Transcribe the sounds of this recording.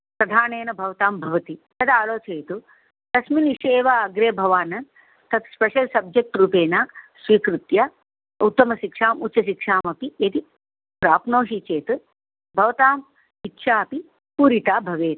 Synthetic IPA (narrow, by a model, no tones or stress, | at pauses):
pɾɐd̪ʱaːneːnɐbʱɐʋɐt̪aːmbʱɐʋɐt̪it̪ɐt̪ʰaːloːt͡ʃeːt̪u | t̪ɐsminiʂeːʋaɐɡɾeːbʱɐʋaːnɐn | t̪ɐt̪ʰspeʃɐlsɐb̚d͡ʒek̚ʈɾuːpeːnaːsʋiːkɾut̪jaː | ut̪ːɐmɐʃikʂaːmutːʃɐʃ̬ikʂaːmɐpijɐt̪i | pɾaːpnoːʃit͡ʃeːt̪u | bʱɐʋɐt̪aːm | itːʃʰaːɐpi | puːɾit̪aːbʱɐʋeːt̪